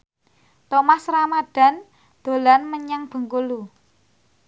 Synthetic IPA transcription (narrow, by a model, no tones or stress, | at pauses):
t̪omasɾamaɖ̥a̤n | d̪̥o̤lanməɲaŋb̥ə̤ŋkulu